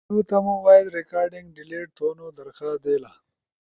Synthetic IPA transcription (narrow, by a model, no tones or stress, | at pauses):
ut̪amuwaːjɪd̪ɾɪkɑːɾɖɪŋɡɖɪleːʈ̚t̪oːnod̪ɐɾxad̪ela